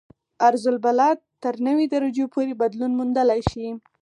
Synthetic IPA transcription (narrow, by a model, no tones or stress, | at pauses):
aɾzʊlbalɑt̪t̪ːəɾnəwid̪aɾad͡ʒopʰoɾebad̪lunmund̪əlajʃi